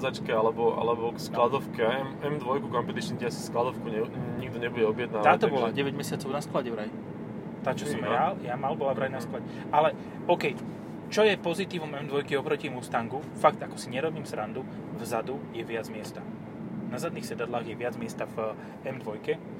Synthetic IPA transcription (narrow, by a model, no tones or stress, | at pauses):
zat͡ʃkɛalɛbɔʔa̰lɛbɔksklad̪ɔfkɛaɛmɛmd̪ʋɔjkukɔmpɛt̪it͡ʃnicɛasi̥sklad̪ɔfkuɲɛɲiɡd̪ɔɲɛbuɟɛɔbjɛd̪̚naːʋ̪t̪aːt̪ɔbɔlaɟɛʋɛɟmɛsɪat͡sɔʊnasklaɟɛʋɾaj | t̪aːt͡ʃɔsɔmjaljamalbɔlapɾajnasklaɟɛ | alɛ | ɔːkɛj | t͡ʃɔjɛpɔzit̪iːʋɔmɛmd̪ʋɔjkiɔpɾɔcimust̪aŋɡufakt̪akɔ̥siɲɛɾɔbiːmsɾand̪u | vzad̪ujɛʋɪad͡zmɪɛst̪a | nazad̪niːxsɛd̪ad̪laːɣjɛʋɪad͡zmɪɛst̪av | ɛmd̪ʋɔjkɛ